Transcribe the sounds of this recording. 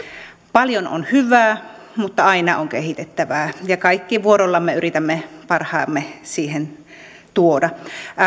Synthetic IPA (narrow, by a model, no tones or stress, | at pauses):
pɑljono̰nhyʋæː | mut̪ːɑɑinɑoŋkehit̪et̪ːæʋæːjɑkɑikːiʋuoɾolːɑmːeyrit̪æmːepɑrhɑːmːesiːhen | t̪uodɑ